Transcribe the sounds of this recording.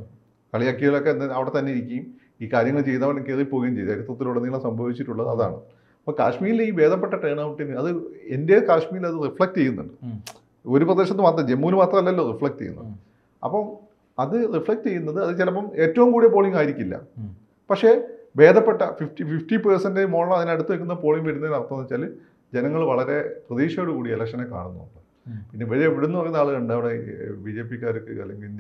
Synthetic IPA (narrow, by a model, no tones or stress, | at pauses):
kɐɭijɐkːiɣɐɭokːenɐɐʋiɽe̞t̪ɐnːeiɾikʲːɐjum | iːkaːɾjɐŋːɐɭt͡ɕe̞jt̪aːmɐnkːeːripo̞ːɣejumt͡ɕejːðɐɾut̪rɐt̪ːiloːɽeniːɭɐmsɐmbʱɐʋit͡ɕːiʈːuɭːɐðɨɐða̰ːɳɨ̰ | ɐpːoka̰ːʂmiːjiliːbe̞ːd̪ɐp̬ːe̞ʈːɐʈre̞ːɳaːʋʈːinːɨɐðɨende̞kaːʂmijilɐðɨrifɭek̚ʈt͡ɕe̞jːunːṵɳɖɨ | o̞ɾuprɐðeɕɐt̪ːɨmaːt̪rɐmd͡ʑe̞mːuːnɨmaːt̪rɐmɐlːɐɐlːorifɭɐk̚ʈt͡ɕejːṵnːɐ̰ | ɐ̰pːɐm | ɐðɨrifɭɐk̚tejːunːɐðɨɐðɨt͡ɕelɐpːɐme̞ːtːɐʋumkuːɽijepo̞ːɭiŋɡaːjiɾikʲːilːɐ̰ | pɐkʂe̞be̞ːd̪ʱɐpːe̞ʈːɐfiftififtipɐrsɐndemoːɐɭɐmɐðineɐɽut̪ːuʋekːunːɐpo̞ːɭiŋɡʋeɾunːɐðinɐrt̪ːɐɐnɐt͡ɕːɐlː | d͡ʑenɐŋːɐɭʋɐɭɐɾe̞prɐðiːʂɐjoɽukuːɽielɐkʂɐnekːa̰ːɳunːuuɳɖɨ | pinːe̞ʋɐɾieʋiɽunːɨpɐrɐjunːaːɭɨɾɐɳɖaːʋiɽebid͡ʑeːpːikʲːaːɾokːɨɐ̰lːeŋɡiln